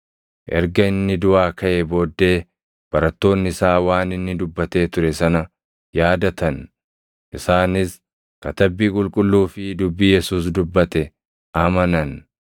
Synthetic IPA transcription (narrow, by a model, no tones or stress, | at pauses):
ʔɛ̰ɾɡɐɪnːɪd̪ʊʔaːkɐʔeːbo̞ːd̪ːe̞ː | b̥ɐɾɐt̪ːo̞ːnːɪɪsaːwaːnɪnːɪd̪ʊbːɐt̪e̞ːt̪ʊɾɛsɐnɐ | jaːd̪ɐt̪ɐn | ʔɪsaːnɪs | kɐt̪ɐbːiːkʼʊlkʼʊlːuːfɪd̪ʊbːiːjɛsuːs̬d̪ʊbːɐt̪ɛ | ʔɐmɐnɐn